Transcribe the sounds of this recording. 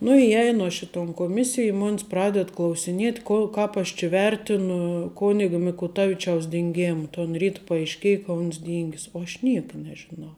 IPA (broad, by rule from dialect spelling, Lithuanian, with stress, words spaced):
nʊ ɪˈjɛɪnʊ ɐʃ ɪ toːn koːˈmʲɪsʲɪj ɪ ˈmoːnʲs ˈprɑːdʲɛt klˠɐʊsʲɪˈnʲiɛtʲ ˈkoː ˈkɑːp ɐʃ t͡ʃʲɪ ˈʋʲɛrʲtʲɪnʊ ˈkoːnʲɪɡoː mʲɪkʊˈtɑːʋʲɪt͡ʃʲɛʊs dʲɪŋʲˈɡʲeːmɐ toːn ˈrʲiːt pɐɐɪʃʲˈkʲeːjɛ kɐ ˈʊns ˈdʲiːŋʲɡʲɪs oː ɐʃ ˈnʲiɛkɐ nʲɛʒʲɪˈnɐʊ